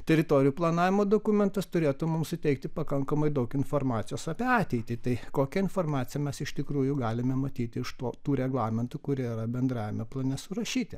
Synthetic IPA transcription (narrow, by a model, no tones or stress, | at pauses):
t̪ʲɛɾʲɪt̪oːɾʲɪjuplˠɐnɑːʋʲɪmoːd̪oːkʊmʲɛnt̪ɐst̪ʊɾʲeːt̪ʊmʊmsʊt̪ʲɛɪkt̪ʲɪpɐkɐŋkɐmɐɪd̪ɐʊkɪnfoːrmɑːt̪sʲɪjoːsɑpʲiɛɑːt̪ʲɛɪt̪ʲɪt̪ɐɪkoːkʲɛɪnfoːrmɑːt̪sʲɪjɛmʲɛsɪʃt̪ʲɪkɾuːjʊɡɑːlʲɪmʲɛmɐt̪ʲiːt̪ʲɪɪʃt̪oːt̪uːɾʲɛɡlˠɑːmʲɪnt̪ʊkʊɾʲiiɾɐbʲɛnd̪ɾɑːʋʲɪmʲɛplˠɐnʲɛsʊɾɐʃʲiːt̪ʲɪ